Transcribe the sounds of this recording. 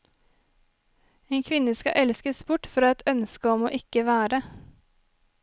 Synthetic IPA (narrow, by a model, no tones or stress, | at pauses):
eːnkʰʋɪnəskɑ̰ʔɛlskəsbʊʈfɾɑːɛt̪ʰœnskəɔmoːʔɪkəʋæːɾə